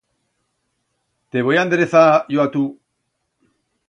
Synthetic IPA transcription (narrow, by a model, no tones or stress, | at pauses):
t̪eβojand̪eɾeθaʝoat̪u